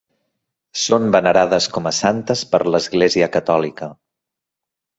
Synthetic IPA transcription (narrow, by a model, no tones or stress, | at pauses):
sombənəɾað̞əskɔməsant̪əspəɾləzɣleziəkət̪ɔlikə